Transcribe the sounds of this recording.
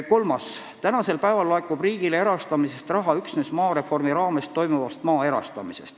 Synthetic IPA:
ko̞lmɑs | t̪ænɑse̞lpæevɑlːɑekːˑub̥riːɡ̥ile̞ɾɑst̪ɑmise̞st̪rɑɦɑyksnesmɑːɾe̞fo̞rmiɾɑːmest̪ːo̞jmuvɑst̪mɑːe̞ɾɑ̰st̪ɑmise̞̰st̪

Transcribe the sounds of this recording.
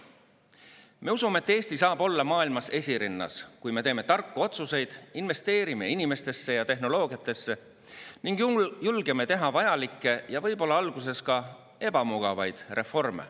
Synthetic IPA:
me̞usumeet̪ːˑe̞ːsʲt̪isɑːb̥o̞lːɑmɑːilmɑse̞sʲiɾinːɑ̰skujme̞e̞ːme̞t̪ɑrkːuo̞t̪suse̞jd̪̥inve̞st̪e̞ːɾime̞inime̞st̪e̞sːe̞jɑt̪e̞ɦno̞lo̞ːɡ̥iɑt̪ːˑe̞sːe̞ | niŋɡ̥julɡ̥eme̞t̪e̞ɦɑvɑjɑlikːˑe̞jɑvɤ̞jb̥o̞lːɑɑlɡ̥us̬e̞skɑ | e̞b̥ɑmuɡ̥ɑvɑjd̪̥re̞fo̞rme̞̰

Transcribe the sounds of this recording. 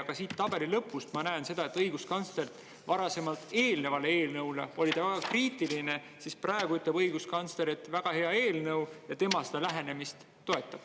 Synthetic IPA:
ɑɡ̥ɑsiːt̪ːɑb̥e̞lilɤpːˑust̪mɑnæense̞d̪̥ɑe̞t̪ːˑɤjɡ̥uskɑnslert̪ | vɑɾɑse̞mɑlt̪e̞ːlne̞vɑlee̞ːlnɤwle̞o̞lʲid̪̥ɑvæɡ̥ɑkriːt̪ːˑiline̞ | sispræːeɡ̥uyt̪lebɤjɡ̥uskɑnsleɾet̪ːˑvæɡ̥ɑhe̞ɑe̞ːlnɤwjɑt̪e̞mɑsed̪̥ɑlæɦe̞ne̞mist̪ːo̞e̞t̪ːˑɑb̥

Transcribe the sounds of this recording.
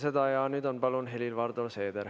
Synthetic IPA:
sed̪ɑjɑnyːd̪onpɑlunɦelilʋɑɾd̪olseːd̪eɾ

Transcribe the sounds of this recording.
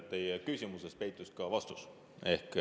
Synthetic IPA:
t̪ːejkysʲimuses̚pe̞jt̪ːˑuskɑvɑst̪us | e̞hk

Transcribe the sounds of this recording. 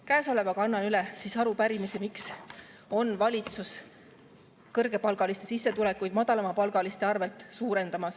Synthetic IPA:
kæːso̞le̞vɑkɑnːɑnylɛsisɑɾupæɾimisemiks | o̞nːvɑlʲit̪sus | kɤrɡe̞pɑlɡ̥ɑlist̪e̞sisːe̞t̪ule̞kːˑujd̪̥mɑd̪̥ɑlɑmɑpɑlɡ̥ɑlist̪e̞ɑrve̞lt̪ˑsuːɾe̞nd̪̥ɑmɑs

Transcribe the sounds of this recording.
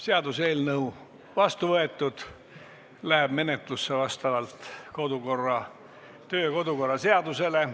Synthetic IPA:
se̞ɑd̪useːlnɤu | vɑst̪uvɤe̞t̪ːˑud̪̥ | læɦeb̥me̞net̪ˑlusːevɑst̪ɑvɑlt̪ko̞d̪uko̞rːɑ | t̪ø̞ːko̞d̪uko̞rːɑse̞ɑd̪̥use̞le̞

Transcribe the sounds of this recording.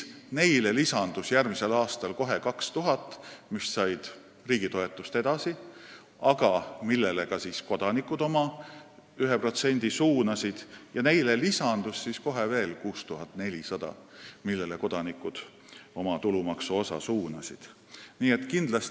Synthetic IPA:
ne̞jlelisɑnd̪usjærmise̞lɑːst̪ɑlko̞ɦe̞kɑkst̪uɦɑt̪ːˑmisːɑjd̪̥ | riːɡ̥it̪o̞e̞t̪ːˑust̪e̞d̪̥ɑsi | ɑɡ̥ɑmilːe̞lekɑsiːsko̞d̪ɑnikːˑud̪̥o̞mɑ | yɦepro̞t̪se̞nʲd̪̥isuːnɑsid̪̥jɑne̞jlelisɑnd̪̥usːisko̞ɦe̞ve̞ːlkuːst̪uɦɑt̪ːne̞lʲisɑd̪̥ɑ̰milːe̞leko̞d̪̥ɑnikːˑud̪̥ | o̞mɑt̪ulumɑksuo̞sɑ̰suːnɑsid̪̥ | niːet̪ːˑkind̪lɑst̪

